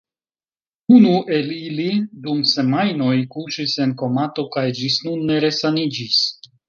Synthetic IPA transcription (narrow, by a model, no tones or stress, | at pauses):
unuʔe̞lilidumse̞majno̞jkuʃise̞nko̞mato̞kajd͡ʒisnunːe̞ɾe̞sanid͡ʒis